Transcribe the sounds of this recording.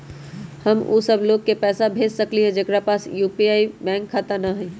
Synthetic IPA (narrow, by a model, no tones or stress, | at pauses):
həmṵsəbloːɡ̚kepɛːsabʱeːd͡ʒsəkliɦɛ̃d͡ʒeːkɾapaːsjuːpiaːibɛ̃ːŋkʰːat̪anaɦɛ̃